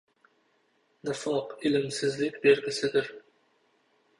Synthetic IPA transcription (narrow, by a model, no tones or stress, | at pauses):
d̪ɪfɑqɪlɪmsɪzlɪkʲbeɾɡʲɪsɪd̪ɪɾ